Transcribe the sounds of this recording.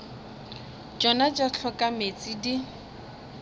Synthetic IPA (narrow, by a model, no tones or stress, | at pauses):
d͡ʒɔnad͡ʒat͡ɬʰɔkʼamet͡sʼidi